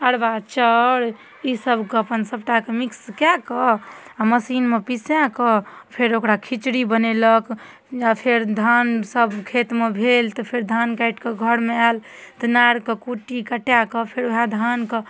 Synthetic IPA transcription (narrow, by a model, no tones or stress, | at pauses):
əɽbat͡ʃəɽ | isəbʱkəpənsəb̚ʈakemikskakəaməsinmepisjãkɔpʰeɾokɾakʰit͡ʃɾibənelək | apʰeɾd̪ʱansəbkʰet̪mebʱelt̪ɔpʰeɾd̪ʱankaiʈkeɡʱəɾmealt̪ɔnaɽkekuʈikəʈjakɔpʰeɾoɦad̪ʱankə